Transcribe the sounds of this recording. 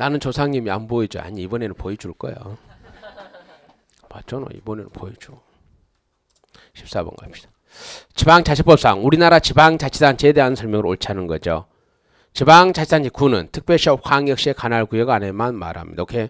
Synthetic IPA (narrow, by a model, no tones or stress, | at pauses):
nanɯnt͡ɕosʰaŋɲimiamboid͡ʑia̰ɲiːbʌne̞nɯnpoid͡ʑuɭk͈ʌjo̰ | pat͡ɕ͈ʰono̰ḭbonenɯ̰npoid͡ʑu | ɕʰi̥p̚s͈abʌ̰nɡʌ̰pɕi̥d̥ḁ | t͡ɕibaŋt͡ɕaɕʰip͈ʌp̚s͈aŋuɾinaɾat͡ɕibaŋt͡ɕat͡ɕʰisant͡ɕedeɦannsʰʌɭmjʌŋɯɾoɭt͡ɕʰanɯnɡʌd͡ʑo̰ | t͡ɕibaŋt͡ɕat͡ɕʰisand͡ʑʰikunɯntʰɯ̥k̚p͈jʌɭɕʰʌp̚haŋjʌk̚ɕ͈iekanaɭkujʌɡanemanma̰ɾha̰mɲid̪aokʰe